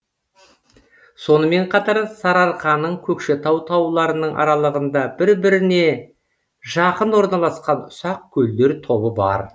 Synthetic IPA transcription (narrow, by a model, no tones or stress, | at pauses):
so̞nəme̞ɴqʰɑt̪ɑɾsɑɾɑɾqɑnəɴkʲʰɵkʃɪt̪ʰɑwt̪ʰɑwlˠɑɾənəɴʔɑ̰ɾɑlˠəʁənd̪ɑbɪɾbɪɾɪne̞ | ʒɑqənwo̞ɾnɑlˠɑsqɑnʊsɑq̚kʲʰɵld̪e̞ɾt̪ʰo̞bəbɑ̰ɾ